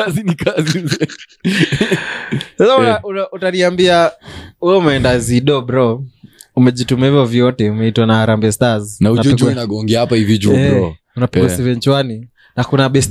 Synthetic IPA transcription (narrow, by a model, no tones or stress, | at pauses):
azinikazi | sasaauaʔutaniambiauɛumɛɛndaziɗɔbɾɔ | umɛʄitumɛivɔvjɔtɛumɛitwanaaɾambɛstaznahunapd͡ʒɔɛkuinaɡɔŋɡɛahapahivid͡ʒuɛɾɔ | unapɛɡɔsɛvɛnt͡ʃwani | nakunaɓɛst